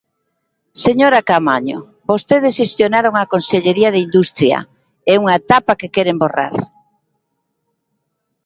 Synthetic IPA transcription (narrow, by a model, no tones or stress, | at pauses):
seɲoɾakamaɲo̰ | bost̪eð̞esʃest̪jonaɾoŋakonseʎeɾiɐðeind̪ust̪ɾjɐ̰ | ɛuŋaet̪apakekɛɾembora̰ɾ